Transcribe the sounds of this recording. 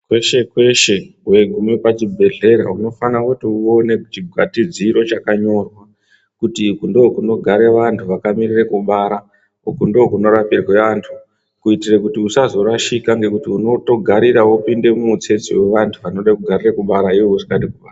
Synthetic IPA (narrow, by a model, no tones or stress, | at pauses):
kwe̞ʃe̞kwe̞ʃe̞we̞ɡʱumipat͡ʃibʱe̞ɮe̞ɾa̰uno̞fanakutiuo̞ne̞kut͡ʃiɡʱwa̰tid͡ziɾo̞t͡ʃakaɲo̞rwa | kutikundokuno̞ɡʱaɾe̞ʋantʰuʋakamirirekuɓaɾa | ukundookuno̞ɾapirwe̞ʋantʰu̥ | kuitirekutiusazo̞ɾaʃikaŋɡe̞kutiuno̞to̞ɡʱaɾiɾaupinde̞mumut͡se̞t͡sḭwe̞ʋantʰuʋano̞ɗakuɡʱarirekuɓaɾaiʋouʐikaɗikuɓaːra